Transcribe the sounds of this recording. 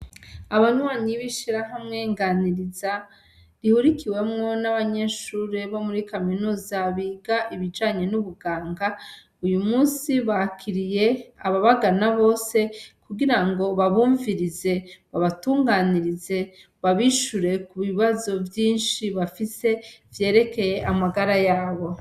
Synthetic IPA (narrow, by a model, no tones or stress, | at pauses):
aβanwaːɲiβiʃiɾaɦamŋe̞ːŋɡaniɾiza | ɾihuɾikʰiwe̞mŋo̞naβaɲe̞ʃuːɾe̞βo̞muɾikaminuːzaβiːɡaʔiβid͡ʒaːɲe̞nuβuɡaːŋɡa | ujumuːnsiβahakʰiɾije̞a̰βaβaɡanaβo̞ːse̞kuɡiɾaŋɡo̞βaβuːɱviɾize̞βaβatuːŋɡaniɾize̞ | βaβiʃuɾe̞kuβiβazo̞vjiːnʃiβafise̞vje̞ːɾe̞ke̞je̞ʔamaɡaɾajaːβo̞